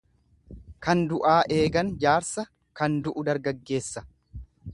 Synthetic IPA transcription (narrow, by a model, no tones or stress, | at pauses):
kɐnd̪ʊʔaːʔe̞ːɡɐnd͡ʒaːɾsɐ | kɐnd̪ʊʔʊd̪ɐɾɡɐɡːe̞ːsːɐ̥